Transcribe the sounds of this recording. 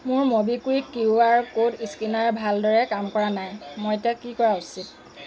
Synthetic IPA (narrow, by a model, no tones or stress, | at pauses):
mʊɹmobikuikiuaɹukodiskinaɹbʱaldɔɹɛkamkɔɹanajmɔjetiakikɔɹausit̚